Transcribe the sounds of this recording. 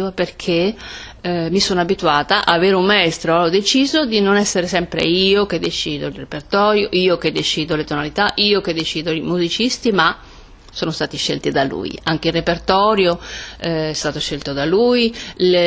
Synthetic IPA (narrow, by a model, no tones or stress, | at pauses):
aperkʰe | misonabit̪uaːt̪aʔaːveːɾeumːaɛst̪ɾoɔd̪et͡ʃiːzod̪inonɛsːeɾesɛmpɾḛiːok̟ed̪ːet͡ʃiːd̪oilrepert̪ɔːɾjoʔiːok̟ed̪ːet͡ʃiːd̪olet̪onalit̪aʔiːok̟ed̪ːet͡ʃiːd̪oimuzit͡ʃist̪ima | soːnost̪aːt̪iʃːḛlt̪id̪alṵːj̰aŋk̟eilrːepert̪ɔːɾjo | ɛst̪aːt̪oʃːelt̪od̪aluj